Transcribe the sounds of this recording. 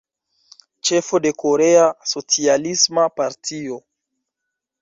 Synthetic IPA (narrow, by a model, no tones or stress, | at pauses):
t͡ʃe̞fo̞de̞ko̞ɾe̞aso̞t͡sialismapaɾtʰio̞